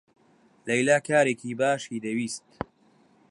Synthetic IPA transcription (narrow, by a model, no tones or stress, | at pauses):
lɐjlaːkʰaːɾeːkʰiːbaːʃiːd̪ɐwiːst̪̚